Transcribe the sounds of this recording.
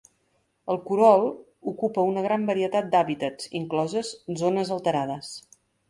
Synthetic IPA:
əlˠkuɾɔlˠ | ukupəunəɣ̞ɾambəɾiət̪at̪̚d̪aβit̪ət͡sḭŋklɔzəzzonəzəlˠt̪əɾað̞əs

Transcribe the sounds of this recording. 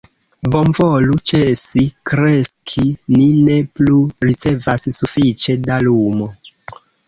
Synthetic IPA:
bo̞mvolut͡ʃesikɾeskʰinine̞pluɾit͡se̞vasːufit͡ʃe̞dalumo

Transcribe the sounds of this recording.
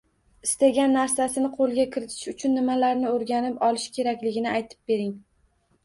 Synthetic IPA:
ɪst̪aɡʲanːaɾsasɪnɪqʰolˠɡʲakʲʰɪɾɪt̪ʰɪ̥ʃʊt͡ʃʰʊnːɪmalaɾnɪoɾɡʲanɪpɒlɪʃkʲʰe̞ɾakʲlɪɡʲɪnɪajt̪ʰɪ̥p̚be̞ɾɪŋ

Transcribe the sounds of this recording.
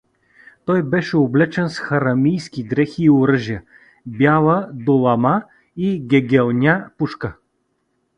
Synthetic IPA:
t̪ɔjbɛʃɛoblɛt͡ʃɛnsxɐɾɐmijskʲiɡɾɛxiːoɾəʒijə | bjalˠəd̪olˠɐma | iɡʲɛɡʲɛlˠnʲapuʃkə

